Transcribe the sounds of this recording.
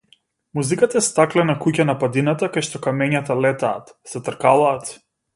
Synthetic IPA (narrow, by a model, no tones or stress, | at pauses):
muzikat̪aɛst̪aklɛnakucanapad̪inat̪akajʃt̪ɔkamɛɲat̪alɛt̪aːt̪sɛt̪r̩kalaːt̪